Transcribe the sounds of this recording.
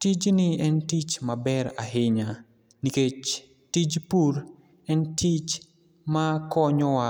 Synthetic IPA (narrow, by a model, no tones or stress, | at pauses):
tid͡ʒnɪɛntit͡ʃmabɛɾaɦɪɲa | niket͡ʃ | tid͡ʒpuɾ | ɛntʰit͡ʃ | makɔɲɔwa